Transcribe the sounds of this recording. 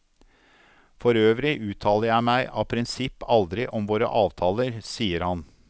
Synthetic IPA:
fɔɾøːʋɾɪʔʉːt̪ʰɑːləɾjæɪmæɪʔɑːpʰɾɪnsɪpːɑld̪ɾɪʔɔmʋoːɾə̰ʔɑːʋt̪ʰɑːləɾsiːəɾhɑn

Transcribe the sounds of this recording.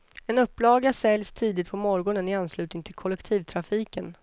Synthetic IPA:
ɛnɵpːlɑːɡasɛljst̪ʰiːd̪ɪt̪̚pʰɔmɔɾɡɔɳənɪanːslʉ̟ːt̪nɪŋt̪ʰɪlkʰɔlɛkt̪ʰiːvt̪ʰɾafiːkən

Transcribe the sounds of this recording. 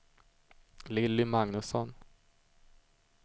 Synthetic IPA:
lɪlːɪmaŋnɵsɔn

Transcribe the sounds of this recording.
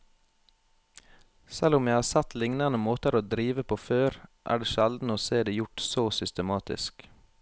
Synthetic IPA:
sɛlʊmjæɪhɑːsɛt̪lɪŋnɑnəmoːt̪əɾoːd̪ɾiːʋəpʰoːføːɾʔæ̰ːɖeːʃɛld̪n̩oːseːd̪eːjʊʈsoːsʏst̪əmɑːt̪ɪ̰sk

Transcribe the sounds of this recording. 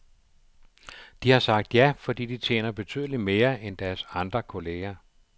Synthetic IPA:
d̥ihɑ̈sɑ̈ɡ̥̚d̥jæfɒ̽d̥ḭːd̥it͡sʰjḛːnɐb̥e̝t͡sʰy̰ðˠlime̝ːɐʔend̥æɐsɑ̈nd̥ʁɐkʰo̝le̝ːɐ

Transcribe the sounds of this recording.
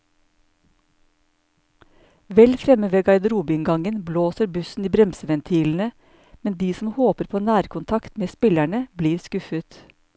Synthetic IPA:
ʋɛlfɾɛməʋeːɡɑɪd̪əɾuːbɪɪŋɡɑŋənbloːsəɾbʉsn̩iːbɾɛmsəʋɛnt̪ʰiːln̩ə | mɛnd̪iːsm̩hoːpəɾpʰoːnæːɾkʰʊnt̪ʰɑkt̪meːspɪlæɳəbliːɾskʉfət̪

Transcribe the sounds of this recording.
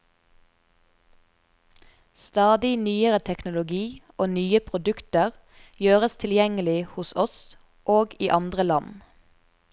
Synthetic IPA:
st̪ɑːd̪ɪnyːəʁət̪ʰɛknʊlʊɡiːʔoːnyːəpʰʁʊd̪ʉkt̪əʁ | jøːʁəst̪ʰɪljɛŋəlɪhʊsɔs | ʔoːɡiːʔɑnd̪ʁəlɑn

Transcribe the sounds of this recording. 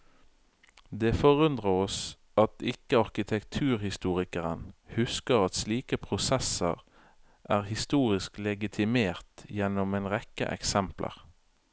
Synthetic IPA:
d̪eːfɔʁʉnd̪ʁəɔs | ɑt̪ɪkəɑʁkɪt̪ʰɛkt̪ʰʉːʁhɪst̪uːʁɪkəʁənhʉskəʁɑt̪sliːkəpʰʁʊsɛsə̰ʁ | ʔæːʁhɪst̪uːʁɪsklɛɡɪt̪ʰɪmeːʁt̪jɛnɔmeːnʁɛkə̰ʔɛ̰ksɛmplʔə̰ʁ

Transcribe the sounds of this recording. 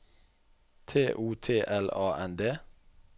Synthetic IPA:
t̪ʰeːʔuːt̪ʰeːʔɛlɑːʔɛnd̪eː

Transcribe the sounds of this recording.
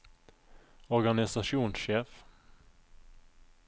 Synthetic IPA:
ɔɾɡanɪsaʂuːnsɕeːf

